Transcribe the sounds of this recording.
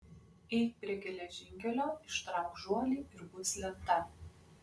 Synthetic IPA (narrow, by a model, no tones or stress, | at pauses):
ɛɪt̪̚ʲpʲɾʲiɛɡʲɛlʲɛʒʲɪŋʲkʲɛlʲoːɪʃt̪ɾɑˑʊkʒuɔlʲiːɪɾbʊsʲlʲɛpt̪ɐ